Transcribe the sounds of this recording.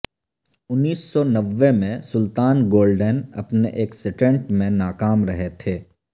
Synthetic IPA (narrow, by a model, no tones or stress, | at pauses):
ʊnːiːsːɔnɐʋːemẽsʊlt̪aːnɡoːlɖənɐ̰pneʔeːksɪʈə̃ɳʈmẽnaːkaːmɾɐɦet̪ʰeː